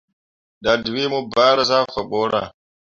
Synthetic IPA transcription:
ɗa˨dwi˦mu˦baː˦ɾa˦za˦fa˨ɓɔ˦ɾa̰˨

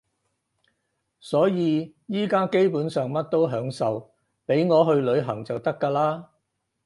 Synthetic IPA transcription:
sɔː˨˥jiː˨ | jiː˥kaː˥ke˥jpuː˨˥nsœː˨ŋmɐ˥t̚t̪o˥wɦœː˨˥ŋsɐ˨w | pe˨˥jŋɔː˨˧ɦɵ˧ɥlɵ˨˧ɥɦɐ˨˩ŋt͡sɐ˨wt̪ɐ˥kːaː˧laː˥

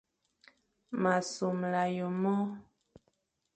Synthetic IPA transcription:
ma˨su˨mla˨jo˨mɔ˦

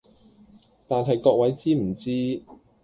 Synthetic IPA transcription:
t̪aː˨nɦɐ˨jkɔː˧k̚wɐ˨˥jt͡siː˥m̩˨˩t͡siː˥

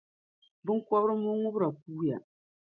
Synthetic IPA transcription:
bɨ˦ŋ˦kɔ˦βɾɨ˦mʊ˦ŋʊ˦bɨ˦ɾa˨k̚uː˦ja̰˨

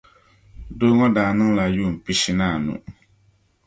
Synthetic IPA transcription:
do˦ŋɔ˦daː˨nɨ˦ŋla˨juː˦˨m̩˨pi˦si˦naː˦˨nṵ̃˨

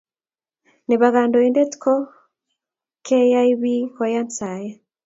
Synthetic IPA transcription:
ne˨βa˨ɣa˨ndɔ˨i˦ndɛ˦tkʰɔ˦ | kʰɛ˦ja˦iβi˦kɔ˨ja˦nsa˨jɛ˦

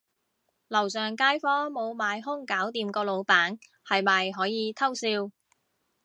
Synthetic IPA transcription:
lɐ˨˩wsœː˨ŋkaː˥jfɔː˥mo˨˧wmaː˨˧jɦʊ˥ŋkaː˨˥wt̪iː˨˧mkɔː˧lo˨˧wpaː˨˥n | hɐ˨jmɐː˨jɦɔː˨˥jiː˨˧t̪ʰɐ˥wsiː˧w

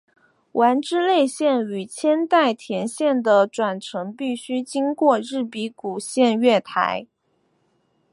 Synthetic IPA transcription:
wʔa˧˥nʈ͡ʂɻ̩˥le˥˧ɪɕjɛ˥˩ny˨˩t͡ɕʰjɛ˥nt̪a˥˩ɪt̪ʰjɛ˧˥nɕjɛ˥˩nd̪ə˩ʈ͡ʂwa˨˩nʈ͡ʂʰɤ˧˥ŋpi˥˩ɕy˥t͡ɕi˥ŋkwɔ˥˧ɻɻ̩˥˩pi˧˥ku˨˩ɕjɛ˥˧nɥɛ˥˩t̪ʰa̰˧˥ɪ

